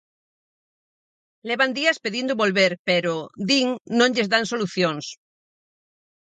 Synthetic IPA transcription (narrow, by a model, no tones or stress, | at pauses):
leβand̪iaspeðind̪oβolβeɾpeɾod̪iŋnõŋʎezðansoluθjoŋs